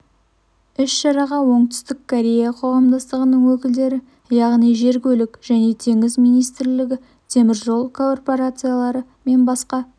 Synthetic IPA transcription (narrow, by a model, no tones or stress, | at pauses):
ʏʃʃɑɾɑʁɑwo̞ɴt̪ʏ̥st̪ɪkʰːoɾʲe̞jaqʰo̞ʁɑmd̪ɑst̪əʁənəɴwɵkʲɪld̪e̞ɾɪ | jɑʁnijʒe̞ɾkʲɵlɪkʒ̥æne̞t̪ʰe̞ŋɪzmijnijst̪ɾlɪɡʲɪ | t̪ʰe̞mɪɾʒo̞lˠkʰorpo̞ɾat̪sɨjalˠɑɾə | me̞nbɑsqɑ